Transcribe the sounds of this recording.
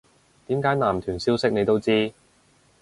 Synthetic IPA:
t̪iː˨˥mkaː˨˥jnaː˨˩mt̪ʰyː˨˩nsiː˥wsɪ˥k̚ne˨˧jt̪o˥wt͡siː˥

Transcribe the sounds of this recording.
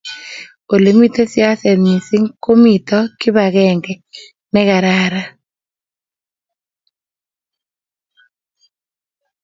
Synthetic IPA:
o˨le˨mi˦t̪e˦sja˦sɛ˨ɲi˨si˦ŋko˦mi˨t̪ɔ˦kɪ˦βa˨ɣɛ˨ŋɡɛ˨ | nɛ˦ɣa˨ɾa˦ɾa˦

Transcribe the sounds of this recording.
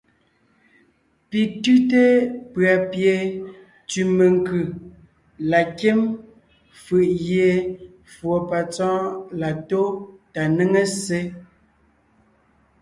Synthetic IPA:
pi˨tʉ˦te˦pɰa˨pje˨ | tʉ˨me˨ŋkʉ˨ | la˨ke˦m | fɯ˨ʔɣje˨ | fwo˨pa˨t͡sɔ̃ː˦la˨to˦ta˨nə˦ŋe˦se˦

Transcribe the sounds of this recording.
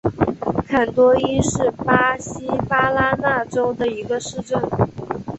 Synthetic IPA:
kʰa˨˩nt̪wɔ˥i˥ʂɻ̩˥˩pa˥ɕi˥pa˥la˥na˥˩ʈ͡ʂo˥ʊd̪ə˨i˧˥ɡə˧ʂɻ̩˥˧ʈ͡ʂə˥˩n

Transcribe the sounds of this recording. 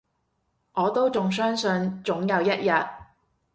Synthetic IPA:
ʔɔː˨˧t̪o˥wt͡sʊ˨ŋs̬œː˥ŋsɵ˧nt͡sʊ˨˥ŋjɐ˨˧wjɐ˥t̚jɐ˨t̚

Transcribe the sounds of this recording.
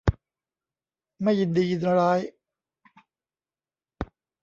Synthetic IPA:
ma˥˩jːi˨˧ndiː˧ji˧na˧ɾaː˦˥j

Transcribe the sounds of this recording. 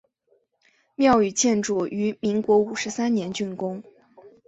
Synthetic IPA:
mjɑ˥˩ʊy˨˩t͡ɕʰjɛ˥˧nʈ͡ʂu˨˩ʔy˧˥mi˧˥ŋkwɔ˧˥u˨˩ʂɻ̩˧˥sa˥nnjɛ˧˥nt͡ɕy˥˩nkʊ˥ŋ

